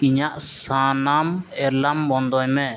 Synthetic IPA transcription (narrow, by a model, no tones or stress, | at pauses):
kiɲaʔsanamɛɾlambɔnd̪ɔjmɛ